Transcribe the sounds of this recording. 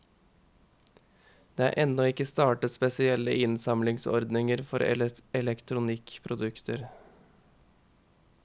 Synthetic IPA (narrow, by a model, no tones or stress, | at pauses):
d̪̥eːæ̰ːɾʔɛnːɔɪkːəst̪ɑːʈəspɛsɪɛlːəʔɪnsɑmlɪŋsɔ̰ɾd̪nɪŋəɾfɔɾɛɛlɛkt̪ʰɾʊnɪkpʰɾʊd̪ʉkt̪ʰəɾ